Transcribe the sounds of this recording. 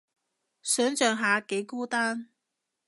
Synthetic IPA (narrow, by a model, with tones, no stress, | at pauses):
sœ˨˥nt͡sœ˨˩ŋɦaː˨˥ke˨˥ɪkuː˥t̪a˥n